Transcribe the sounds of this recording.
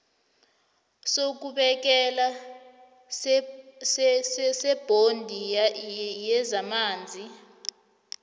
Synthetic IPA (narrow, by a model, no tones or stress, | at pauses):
sok̬uɓɛk̬ɛla | ssɛb̥ʱondʱi | jɛzamaːnd͡zʱi